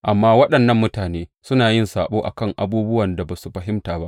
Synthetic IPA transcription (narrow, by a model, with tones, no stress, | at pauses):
ʔa˨mːaː˦wɐ˦ɗɐ˨nːɐ˦˨mːʊ˦taː˨neː˦sʊ˦naː˨jɪ˦˨nsaː˨ɓoː˦ʔa̰˨kɐ˦ŋʔa̰˨buː˦bʊ˦wɐ˨nda˨baː˨su˨ɸɐ˨ɦɪ˦mtaː˨ba̰˦ʔ